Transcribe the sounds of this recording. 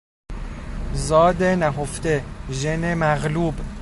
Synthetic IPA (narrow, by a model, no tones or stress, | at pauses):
zɒːd̪enæɦoft̪eʒenemæɣluːb